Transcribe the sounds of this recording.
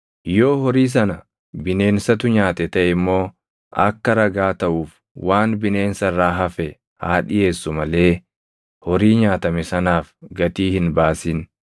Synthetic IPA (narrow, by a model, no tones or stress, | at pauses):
joːhɔɾiːs̬ɐnɐ | bɪne̞ːnsɐt̪ʊɲaːt̪ɛt̪ɐʔɪmːo̞ː | ʔɐkːɐɾɐɡaːt̪ɐʔuːf | waːnbɪne̞ːnsɐrːaːɦɐfɛ | ha̰ːᶑɪje̞ːsːʊmɐle̞ː | hɔɾiːɲaːt̪ɐmɛsɐnaːfɡɐt̪iːhɪnbaːsɪn